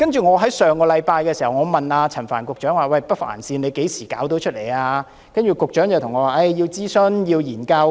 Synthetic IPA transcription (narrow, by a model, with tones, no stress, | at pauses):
kɐ˥nt͡ʃyː˨ŋɔː˨˧ɦɐ˨˥jsœː˨˧ŋkɔː˧lɐ˨˧jpaː˧jkɛː˧siː˨˩hɐ˨wŋɔː˨˧mɐ˨naː˧t͡sʰɐ˨˩nfa̰ː˨˩nkʊ˨k̚t͡ʃœː˨˥ŋwaː˨˩wɐ˧˨˩jpɐ˥t̚fa̰ː˨˩nsiː˧ne˨˧jke˨˥jsiː˨˩ka̰ː˨˥wt̪o˨˥wt͡ʃʰɵ˥le˨˩jaː˧ | kɐ˥nt͡ʃyː˨˩kʊ˨k̚t͡ʃœː˨˥ŋjɐ˨wt̪ʰʊ˨˩ŋɔː˨˧waː˨˩ʔɐ˥˩jjiː˧wt͡siː˥sɵ˥njiː˧wjiː˨˩nkɐ˧w